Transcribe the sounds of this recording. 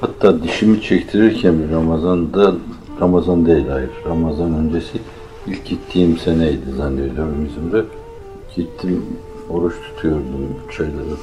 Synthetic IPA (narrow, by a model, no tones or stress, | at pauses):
hat̪ʰːaːd̪iʃimit͡ʃʰɛct̪ʰiɾiɾcʰænbiɾamazand̪a | ɾamazand̪ejlʲajɯɾɾamazanø̞nd͡ʒesi | ilʲcɟit̪ʰːiːimsenɛjd̪izanːeɾd̪ømymizimd̪ɛ | cʰit̪ʰːim | o̞ɾut͡ʃt̪ʰu̥t̪ʰujoɾd̪umt͡ʃʰajlˠaɾɯ